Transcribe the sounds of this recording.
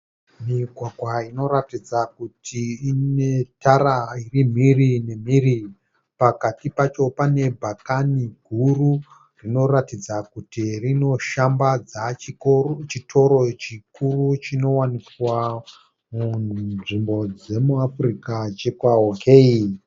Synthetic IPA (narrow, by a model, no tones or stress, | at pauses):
miɡʱwaɡʱwaino̞ɾatid͡zakutʰiːnetʰaɾairim̤irine̞m̤iri | pakatipat͡ʃo̞pane̞bʱakaniɡʱuru | rino̞ratid͡zakutirino̞ʃambad͡za | t͡ʃitʰo̞ɾo̞t͡ʃikurut͡ʃino̞wanikwa | munʐimbo̞d͡ze̞muafrikat͡ʃekwaokʰei